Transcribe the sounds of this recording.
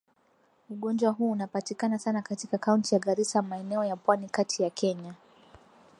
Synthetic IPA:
uɠɔnd͡ʒwaɦuːnapatikanasanakatikakauntijaɠaɾisamaɛnɛɔjapwanikatʰijakʰɛɲa

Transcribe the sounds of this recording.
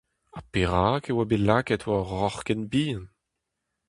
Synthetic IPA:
apeʁaːkewabelaːkɛtwaɔʁʁɔχkɛnbiːɑ̃n

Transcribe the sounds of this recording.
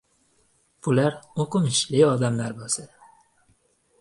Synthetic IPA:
b̥ʊlaɾoqʊmɪʃlɪɒd̪amlaɾbosad̪a

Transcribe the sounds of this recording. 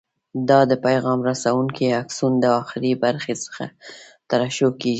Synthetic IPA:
d̪ɑd̪əpajɣɑmɾasawuŋkiaksund̪əɑxɪɾibaɾxesə̥xa̰t̪aɾɑʃokeɡi

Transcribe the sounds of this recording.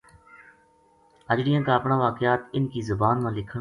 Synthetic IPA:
əd͡ʒɽɪjãːkaəpɳãːʋaːkɪjaːt̪ɪnkiːzʊbaːnmãːlɪkʰə

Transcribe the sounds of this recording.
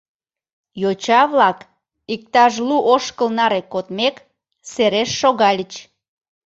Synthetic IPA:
jot͡ɕɑβlɑk | ik̚t̪ɑʒluʔoʃkəlnɑɾekot̪mek | seɾeʃːoɣɑlʲət͡ɕ

